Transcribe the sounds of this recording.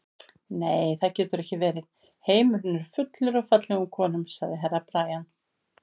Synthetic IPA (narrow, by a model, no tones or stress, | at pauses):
neːjθaðcɛːt̪ʏɾɛhcɪvɛːɾɪð | heːjmʏɾnʏɾ̥fʏt̪lʏɾɔfat̪lɛɣʏmkʰɔːnʏmsaɣðɪɦɛrːapɾaːjan